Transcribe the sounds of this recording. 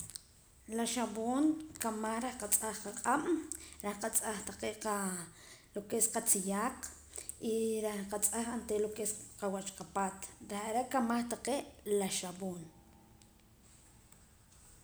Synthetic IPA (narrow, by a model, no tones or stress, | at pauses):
laʃaβoːŋkamaχɾehqat͡sʼaχqaqʼam̰ɾehqat͡sʼaχt̪aqeːʔqa | lokesqat͡sijaːq | ʔiɾehqat͡sʼaχant̪eʔlokesqawat͡ʃqapaːt̪ɾehaɾeʔkamaχt̪aqeːʔlaʃaboːn